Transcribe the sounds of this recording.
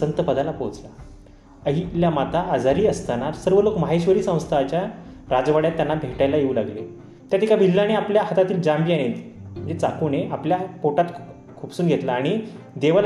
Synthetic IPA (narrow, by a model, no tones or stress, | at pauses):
sənt̪əpəd̪alapowt͡sla | əɦiljamat̪aːd͡zaɾiːəst̪anaɾsəɾʋəloːkməɦaɕʋəɾiːsə̃w̃st̪ʰaat͡ɕjaɾad͡zʋaɽjat̪ːjanːabʱeʈajlajeulaɡlḛ | t̪jat̪ʰikabʱilːañeapljaɦət̪at̪iːld͡ʑambijanem̤ə̃nd͡zet͡sakuneʔapljapoʈat̪ | kʰuːpsuːnɡʱet̪laːɽ̃i | d̪eʋal